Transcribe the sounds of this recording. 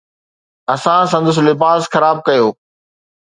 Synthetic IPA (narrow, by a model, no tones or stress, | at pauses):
ɐsãs̬ɐ̃nd̪ʊs̬lɪbaːzxɐɾaːb̚kɐjoː